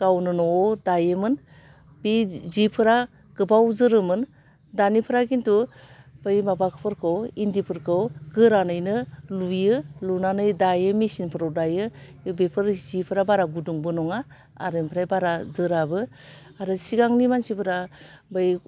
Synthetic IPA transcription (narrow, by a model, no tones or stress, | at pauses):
ɡ̥awnɯnɔːdajɯmɯn | bizipʰɯɾa | ɡ̥ɯbawzɯɾɯmɯn | danipʰɯɾakintub̥ɯjmabakʰɯ̥pʰɯɾkʰɯwindipʰɯɾkʰɯwɡɯɾanɯjnɯlujɯlunanɯjdajɯmisinpʰɯɾawdajɯ | bepʰɯɾzipʰɯɾabaɾaɡuduŋbɯnɔŋa | a̰ɾɯmpʰɾajbaɾazɯɾabɯ | aɾɯsiɡaŋnimansipʰɯɾabɯj